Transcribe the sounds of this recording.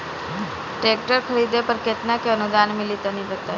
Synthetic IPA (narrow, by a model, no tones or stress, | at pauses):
ʈeːk̚ʈəɾkʰəɾiːd̪epəɾkɪt̪nakeənʊd̪aːnmẽlit̪anipɐt̪a